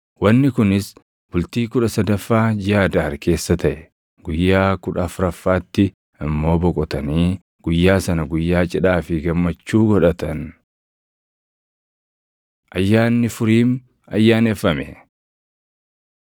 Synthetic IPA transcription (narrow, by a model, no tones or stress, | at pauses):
wɐnːɪkʊnɪs | bʊlt̪iːkʊᶑɐsɐd̪ɐfːaːd͡ʒɪjaːd̪aːɾkʰe̞ːsːɐt̪ɐʔɛ̥ | ɡʊjːaːkʊᶑɐfɾɐfːaːt̪ːɪ | ɪmːo̞ːbɔkʼɔt̪ɐniː | ɡ̥ʊjːaːsɐnɐɡʊjːaːt͡ʃʼɪᶑaːfɪɡɐmːɐt͡ʃːuːɡɔᶑɐt̪ɐn | ʔɐjːaːnːɪfʊɾiːm | ɐjːaːnɛfːɐmɛ